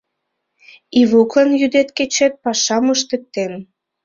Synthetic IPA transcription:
iβuklɤnjyd̪et̪ket͡ɕet̪̚pɑʃɑmɤʃt̪ə̆k̚t̪en

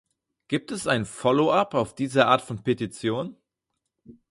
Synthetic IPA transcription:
ɡ̥iːp̚tɛsʔaɪnfɔloʔapaʊfd̥iːzɐʔaːɐtfɔnpʰetit͡sjoːn

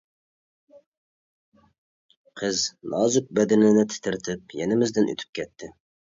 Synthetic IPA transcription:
qʰəznɑːzʊk̚bɛd̪ɪnɪnɪt̪ʰɪ̥t̪ʰɪɾt̪ʰɪp̚jɛnɪmɪzd̪ɪnʔy̰t̪ʰy̥p̚kʲʰɛt̪ʰːɪ

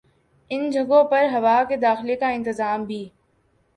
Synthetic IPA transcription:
ɪnd͡ʒʱɐɡõpɐɾɦɐʋaːked̪aːxɪlekaɪ̃nt̪ɪzaːmbʱiː

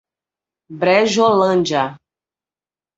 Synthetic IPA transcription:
bɾɛʒɔlənd͡ʒa

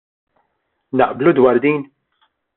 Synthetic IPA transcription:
nɐʔblud̪wɐːɾd̪iːn

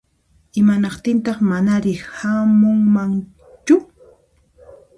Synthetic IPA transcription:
ɪmanɑqt̪ɪnt̪ɑχmanaɾɪhamʊŋmaŋ | t͡ʃʊ

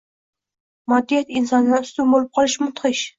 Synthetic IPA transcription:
mɒd̪ːijat̪ɪnsɒnnaʊst̪ʊmbolˠɪp̚qʰɒlˠɪʃmʊt̪qɨʃ

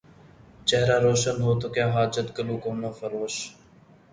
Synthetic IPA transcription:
t͡ʃɛɦɾaːɾoːʃənɦoːt̪oːkjaːɦaːd͡ʒət̪kəluːkoːnãːfəɾoːʃ

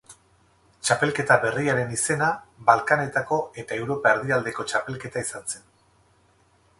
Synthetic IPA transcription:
t͡ʃape̞lke̞t̪aβe̞riaɾe̞nise̞naβalkane̞t̪ako̞e̞t̪ae̞wɾo̞paeɾðiald̪e̞ko̞t͡ʃape̞lke̞t̪aisanse̞n

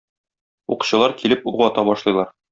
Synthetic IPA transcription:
ṵqŭ̥ɕɤ̆lˠɑɾkilɘpuʁɒt̪ɑbɒʃlˠɤ̆jlˠɑɾ

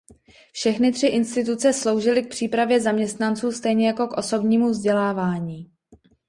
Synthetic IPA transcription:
fʃɛxnɪt̪r̝̥ɪʔɪnst̪ɪt̪ut͡sɛslo̞wʒɪlɪk̚pr̥iːpɾavjɛzamɲɛst̪nant͡suːst̪ɛjɲɛjako̞kʔo̞so̞bɲiːmuvzɟɛlaːvaːɲiː

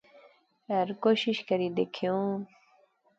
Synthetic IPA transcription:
ɐɾkoɕiɕkɐɾid̪ekʰjõ

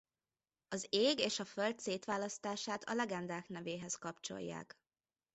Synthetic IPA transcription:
ɒzeːɡeːʃɒfølt̪seːt̪ʋaːlɒst̪aːʃaːt̪ʰɒ̰lɛɡɛnd̪aːknɛveːɦɛskɒpt͡ʃo̞̰jːa̰ːk

